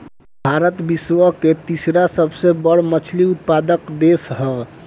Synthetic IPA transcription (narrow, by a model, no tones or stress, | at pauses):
bʱaɾət̪biswəket̪isɾasəbsebəɽ̤mət͡ʃʰliut̪̚pad̪əkd̪esɦɛ